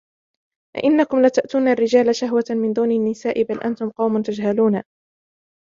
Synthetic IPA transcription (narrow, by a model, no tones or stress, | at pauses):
ʔa̰ʔɪnːakʊmlat̪aʔt̪uːnarːɪd͡ʒaːlaʃaɦwamɪnd̪uːnanːɪsaːʔɪbalʔant̪ʊmqɑwmʊnt̪ad͡ʒɦaluːna